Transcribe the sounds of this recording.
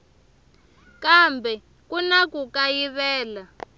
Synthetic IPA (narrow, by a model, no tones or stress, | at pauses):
kambʱɛ | kunakukajiβɛːla